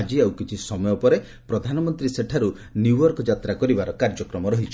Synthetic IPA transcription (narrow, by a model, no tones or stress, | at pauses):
d͡ʒiawkit͡ʃʰisɔmɔjɔpɔɾe | pɾɔd̪ʱanɔmɔnt̪ɾiseʈʰaɾu | njuɔɾkɔd͡ʒat̪ɾakɔɾibaɾɔkaɾd͡ʒɔkɾɔmɔɾɔɦit͡ʃʰɔ